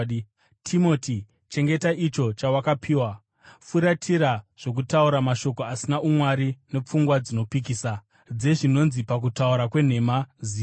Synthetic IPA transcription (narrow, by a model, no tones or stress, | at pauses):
tʰimo̞ti | t͡ʃe̞ŋɡe̞taʔit͡ʃo̞t͡ʃawakapʰiːwa | fuɾatʰiɾaʐ̥o̞k̬utauɾamaʃo̞ko̞asinaumwaɾine̞p͡fuŋɡwad͡zino̞pik̬iːsa | d͡ze̞ʐino̞nzipak̬utauɾakwe̞n̤e̞maziː